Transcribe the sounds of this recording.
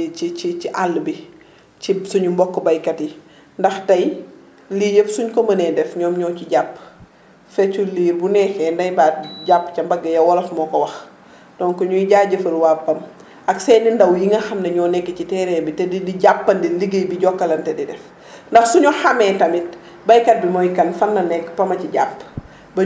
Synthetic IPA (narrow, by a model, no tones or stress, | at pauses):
t͡ʃit͡ʃit͡ʃiʔalːbi | cisuɲumbɔkːɔbɐjkɐti | ndɐxtɐj | lijəfsuɲkɔmɐnɛdɛfɲɔːmɲɔːciɟapː | fɛt͡ʃuliːɾbunɛːxɛːndɐjbaɟapːcɐmbɐɡːɐjɐwɔlɐfmɔːkɔwɐx | d̥ɔnkɔɲuiɟaːɟəfəlwaːpːɐm | ɐksɛnindɐwjiŋɐxɐmnɐɲɔːnɛkːicitɛːɾɛbitɛdidiɟapːɐndiliɡəjbiɟɔkːɐlɐntɛdidɛf | ndɐxsuɲɔxɐmɛːtɐmit̚ | bɐjkɐt̚bimɔjkɐnfɐnːɐnɛkːpɐmɐciɟa̰pː | bɐ